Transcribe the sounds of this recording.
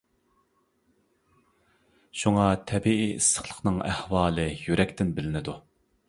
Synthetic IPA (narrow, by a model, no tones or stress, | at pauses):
ʃuŋɑt̪ʰɛbiiːisːə̥χlˠə̥χnɨŋæhwɑːlˠɨjyɾɛkʲt̪ɪnbɪlɪnɪd̪u